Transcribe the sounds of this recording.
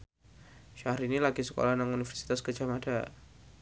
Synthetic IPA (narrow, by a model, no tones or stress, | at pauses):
ʃahɾinilaɡisəko̰lanaŋunifərsi̥t̪askəd͡ʒamada